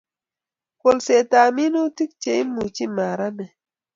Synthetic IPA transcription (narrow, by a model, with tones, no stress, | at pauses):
ko˨lse˨ta˨mi˦no˦ti˦k̚t͡ʃe˨i˦mu˨t͡ʃi˦ma˨ɾa˦nɛ˨